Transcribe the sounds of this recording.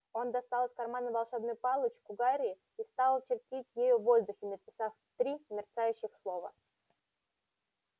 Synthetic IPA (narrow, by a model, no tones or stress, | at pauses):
o̞nd̪ɐst̪ɑlˠəsʲkɐrmanəvɐlˠʂɛbnɨjpɑlˠət͡ɕkʊɡaɾʲɪː | ist̪ɑlˠt͡ɕɪrtʲitʲjejuvo̞zd̪ʊxʲɪnəpʲɪsaf | t̪ɾʲimʲɪrt̪sajʉɕːɪxslˠo̞və̰